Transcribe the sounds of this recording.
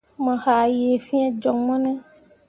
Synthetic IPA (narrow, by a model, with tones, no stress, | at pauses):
mɛ̃˨xa˨jfĩ˦ã˦d͡ʒɔ˨ŋmɔ̃˦nɛ̃˦